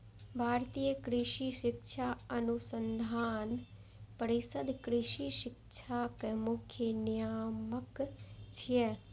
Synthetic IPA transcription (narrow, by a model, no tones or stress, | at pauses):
bʱaːɾt̪iːjəkɾɪʃiʃɪkʃʰaɐnusənd̪ʱaːn | pəɾisəd̪kɾɪʃiʃɪkʃʰaːkemʊkʰjənijaːməkt͡ʃʰije